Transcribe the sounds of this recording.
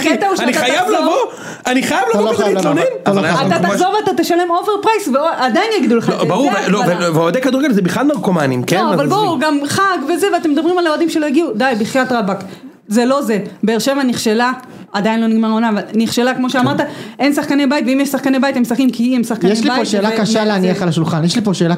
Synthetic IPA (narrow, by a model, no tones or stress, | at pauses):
it̪auʃaniaχajavlavo | aniχajavlaoilonenaaattazoʁveat̪at̪eʃale̞mo̞veʁpʁajsveoʔad̪ajinjaɡid̪uleχaobaʁuʁveloveveoad̪ejkad̪uʁeɡelzebiχladmaʁkomanḭmkeonavalbaʁuɡamχaɡve̞zeveat̪emed̪abʁimalead̪imʃelo̞jaɡiud̪ajbiχjat̪ʁabak | zelo̞ze̞be̞ːʁʃe̞vaniχʃe̞la | ad̪ajinlo̞niɡmaʁonavalniχʃe̞lakmo̞ʃeamaʁt̪aʔe̞nsaχkanebait̪veimjeʃsaχkanebait̪emsaχkimkʰiemsaχkajɛʃlibaoʃelakaʃaleaniaχalaʃulχanjɛʃlipoʃeːla